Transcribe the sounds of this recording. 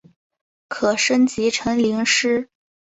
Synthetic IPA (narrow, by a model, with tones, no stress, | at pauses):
kʰɤ˨˩ʂə˥nt͡ɕi˧˥ʈ͡ʂʰɤ˧˥ŋli˧˥ŋʂɻ̩˥